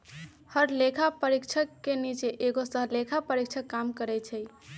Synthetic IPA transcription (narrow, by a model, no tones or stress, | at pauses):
həɾlekʰapəɾikt͡ʃʰəkːenit͡ʃeʔeɡosəɦlekʰapəɾik̚t͡ʃʰəkːamkəɾɛt͡ʃʰɛj